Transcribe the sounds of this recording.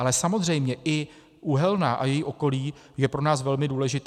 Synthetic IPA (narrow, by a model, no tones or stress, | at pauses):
alɛsamo̞zr̝ɛjmɲɛʔɪ | ʔuɦɛlnaʔa̰jɛjiʔo̞ko̞liː | jɛpɾo̞naːsvɛlmɪduːlɛʒɪt̪